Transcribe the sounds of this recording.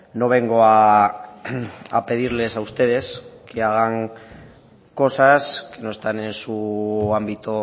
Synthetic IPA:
no̞βe̞ŋɡo̞a | a̰pe̞ð̞iɾle̞saust̪e̞ðe̞skeaɣaŋ | ko̞saske̞no̞est̪ane̞nsuambit̪o

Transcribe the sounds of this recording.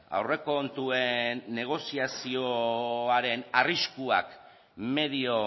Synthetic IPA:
a̰wre̞ko̞nt̪ue̞nːe̞ɣ̞o̞siasioaɾe̞nariskuak | me̞ðio

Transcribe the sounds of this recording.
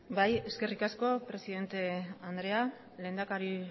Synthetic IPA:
baje̞ske̞rikasko̞pɾe̞siðe̞nt̪e̞and̪ɾe̞a | le̞ːnd̪akaɾi

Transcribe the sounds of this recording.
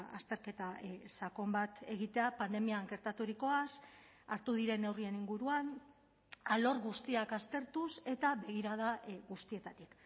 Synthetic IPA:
a̰st̪e̞ɾke̞t̪asako̞mbat̪e̞ɣit̪e̞apand̪e̞miaŋɡe̞ɾt̪at̪uɾiko̞as | aɾt̪uðiɾe̞ne̞wrie̞niŋɡuɾuan | alo̞ɾɣust̪iakast̪e̞ɾt̪use̞t̪aβe̞ɣ̞iɾað̞aɣust̪ie̞t̪at̪ik

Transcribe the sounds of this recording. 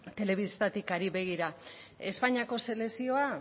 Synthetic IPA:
t̪e̞le̞β̞ist̪at̪ikaɾiβe̞ɣ̞iɾae̞spaɲiako̞se̞le̞sio̞a

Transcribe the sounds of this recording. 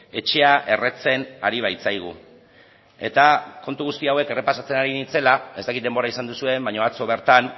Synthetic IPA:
e̞t͡ʃe̞aʔe̞re̞t͡se̞na̰ɾiβ̞ajt͡sajɣ̞ṵ | e̞t̪ako̞nt̪uɣ̞ust̪iawe̞ke̞re̞pasat͡se̞naɾinit͡se̞lae̞st̪akit̪̚d̪e̞mbo̞ɾaisand̪usue̞mbaɲo̞at͡so̞β̞e̞ɾt̪an

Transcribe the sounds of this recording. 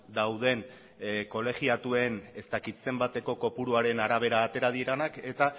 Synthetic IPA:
d̪awðe̞n | ko̞le̞ɣiat̪ue̞ne̞st̪akit̪se̞mbat̪e̞ko̞ko̞puɾuaɾe̞naɾaβ̞e̞ɾaːt̪e̞ɾað̞iɾanake̞t̪a

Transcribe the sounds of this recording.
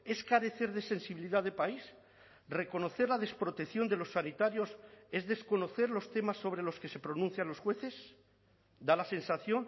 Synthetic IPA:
e̞skaɾe̞θe̞ɾðe̞se̞nsiβiliðaðepais | re̞ko̞no̞θe̞ɾlað̞e̞spɾo̞t̪ekθjo̞nd̪e̞lo̞sːanit̪aɾjo̞se̞zðe̞sko̞no̞θe̞ɾlo̞st̪e̞masːo̞β̞ɾe̞lo̞ske̞se̞pɾo̞nũnθjanlo̞sxwe̞θe̞s | d̪alase̞nsaθjo̞n

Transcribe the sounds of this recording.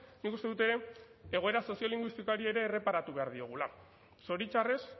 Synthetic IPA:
nikust̪eðut̪e̞ɾe̞ | eɣoe̞ɾaso̞sio̞liŋɡwist̪ikaɾie̞ɾe̞ːre̞paɾat̪uβe̞aɾðio̞ɣ̞ula | so̞ɾit͡ʃare̞s

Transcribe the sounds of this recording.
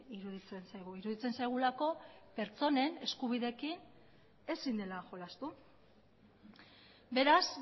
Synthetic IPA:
iɾuðit͡sensajɣuiɾuðit͡se̞nsajɣ̞ulako̞pe̞ɾt͡so̞ne̞ne̞skuβiðe̞ːkin | e̞sind̪e̞laʝo̞last̪u | be̞ɾas

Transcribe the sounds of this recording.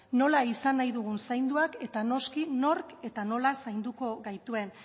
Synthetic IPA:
no̞laisanajðuɣ̞unsajnd̪uake̞t̪ano̞skino̞ɾke̞t̪ano̞lasajnd̪uko̞ɣajt̪ue̞n

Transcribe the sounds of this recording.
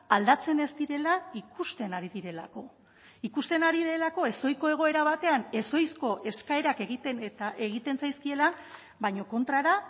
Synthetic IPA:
ald̪at͡se̞ne̞zd̪iɾe̞laikust̪e̞naɾiðiɾe̞la̰ko̞ | ikust̪e̞naɾiðe̞lako̞e̞so̞jko̞e̞ɣ̞o̞e̞ɾaβ̞at̪e̞ane̞so̞jsko̞ʔe̞skae̞ɾake̞ɣit̪ent̪aeɣit̪e̞nsajskie̞la | βajɲo̞ko̞nt̪ɾaɾa

